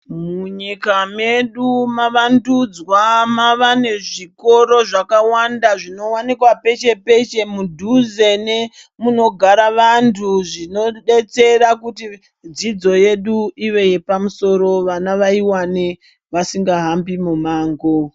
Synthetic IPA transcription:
muɲikame̞ɗumaʋandud͡zwamaʋane̞ʐiko̞ɾo̞ʐakawandaʐino̞wanikwape̞t͡ʃe̞pe̞t͡ʃe̞mudʱuze̞ne | muno̞ɡʱaɾaʋantʰuʐino̞ɗe̞t͡se̞ɾakuti | d͡zid͡zo̞je̞ɗuiʋe̞je̞pamuso̞ɾo̞ʋanaʋaiwane | ʋasiŋɡaɦambimumaːŋɡo̞

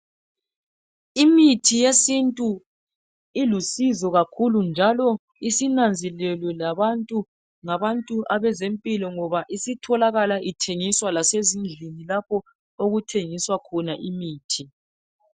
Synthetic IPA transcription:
imitʰijesintʼu | ilusizɔɣakʰulund͡ʒʱalɔ | isinand͡zʱɛlɛlwɛlaβantʼu | ŋaβantʼuʔaβɛzempʼilɔŋɔβaʔisitʰɔlaɣalaʔitʰeŋiswalasezind͡ɮʱinilapʰɔ | oɣutʰeŋiswakʰɔnaʔimiːtʰi

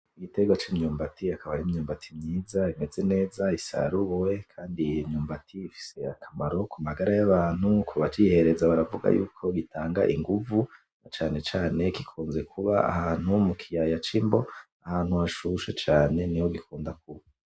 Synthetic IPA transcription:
iɡite̞ɡwat͡ʃimɲuːmbatʰiakaβaɾimɲuːmbatʰimɲiːzaime̞ze̞ne̞ːzaisa̰ɾuwe̞kʰaːndimɲuːmbatʰiːfi̥se̞akʰamaɾo̞kumaɡaɾajaβaːn̥hukʰuβat͡ʃihe̞ɾe̞zaβaɾavuɡa̰jṵːkʰo̞ɡitaːŋɡa̰ʔiŋɡuvu | nat͡ʃaːne̞t͡ʃaːne̞kikʰuːnze̞kʰuβa̰a̰haːn̥humukʰijajat͡ʃimbo | ahaːnhuaʃuʃet͡ʃaːne̞nijoɡikʰuːndak̚uβa

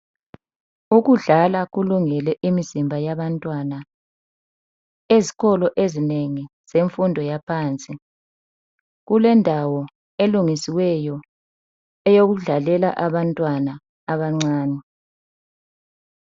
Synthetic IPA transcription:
uɣuɮalaɣuluŋɛlɛʔimizimbʱajaβantʼwana | eziɣɔlɔʔezineŋiz̥eɱfundʱɔjapʰaːnt͡sʼi | ɣulɛndʱawɔ | eluŋisiwɛjɔ | ɛjoɣuɮalɛla̰ʔaβantʼwanaː | βaŋ͡ǀaːnɛ

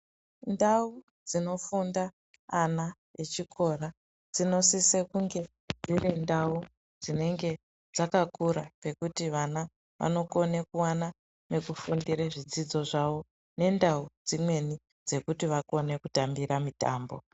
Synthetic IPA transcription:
ndau | d͡zino̞fundaː | na | et͡ʃikʰo̞ra | d͡zino̞sisekuŋɡe̞ | d͡zirindau | d͡zine̞ŋɡe̞ | d͡zakakuɾape̞kutiʋana | ʋʔa̰no̞ko̞nekuwana | ne̞kufundiɾeʐid͡zid͡zo̞ʐaʋo̞ | ne̞ndaud͡zimwe̞ni | d͡ze̞kutiʋako̞ne̞kutambiɾamita̰ːmbo̞̰

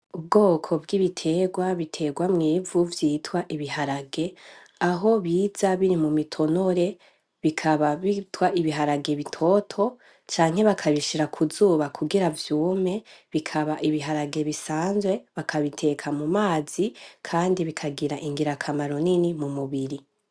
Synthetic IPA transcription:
ubɡo̞ːkʰo̞bɡiːβitʰe̞ːɡwaβitʰe̞ɡwamŋiːvuvjiːtwaʔiβihaɾaɡe̞ | aɦo̞βiːz̥aβiɾimumitʰo̞no̞ɾe̞ | βikʰaβaβitwaʔiβiɦaɾaɡe̞βitʰo̞ːtʰo̞ | t͡ʃaːŋhe̞βakʰaβiʃiɾakʰuzuːβakʰuɡiɾavjuːme̞βikʰaβaʔiβiɦaɾaɡe̞βisaːnzwe̞βakʰaβitʰe̞kʰamumaːz̥ikʰaːndiβikʰaɡiɾaʔiŋɡiɾakʰamaɾo̞ninimumuβiɾi

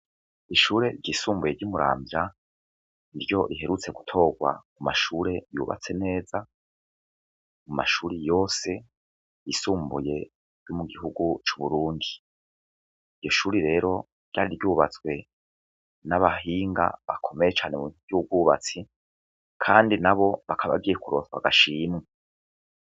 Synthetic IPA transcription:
iʃuːɾe̞ɾɟiːsuːmbuje̞ɾɟumuɾa̰ːmbja | niɾjo̞ɾiɦe̞ɾut͡seɡu̥tʰo̞ːɡwa̰kumaʃuːɾe̞jṵːβa̰t͡se̞ne̞ːza | muma̰ʃuːɾejo̞ːse̞ | jisuːmbuje̞ | ɾjomuɡiɦuɡut͡ʃu̥βuɾuːndi | iɾjo̞ʃuːɾiɾe̞ːɾo̞ | ɾjɟa̰ːɾiɾɟuːβat͡swe̞ | naβahiːŋɡa̰βa̰kʰo̞mejet͡ʃaːne̞muɟihuɡwuːβa̰t͡si | kʰaːndinaβo̞βakʰaβa̰ɡijekuɾo̞ːswa̰ɡaʃiːmŋe

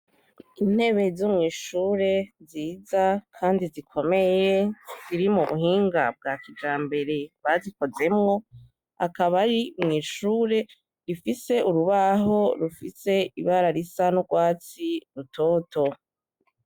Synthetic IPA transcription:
in̥he̞βe̞zumŋiːʃuːɾe̞ziːzakʰaːndizikʰo̞me̞je̞z̥iɾimuβuhiːŋɡab̚ɡaːkid͡ʒaːmbe̞ɾe̞βaziko̞ze̞mŋo̞ | a̰kaβaɾimŋiːʃuːɾe̞ | ɾifise̞uɾuβaɦo̞ɾufise̞iβaɾaɾisanuɡwaːt͡siɾutʰoːto̞

